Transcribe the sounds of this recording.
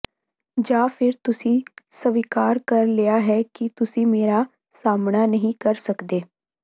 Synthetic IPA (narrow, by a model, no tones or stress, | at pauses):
d͡ʒãːpʰɪɾt̪ʊsĩːsəʋɪkaːɾkəɾlɪaːɦɛːkɪt̪ʊsĩːmeːɾaː | saːmnaːnəɦĩːkəɾsəkd̪eː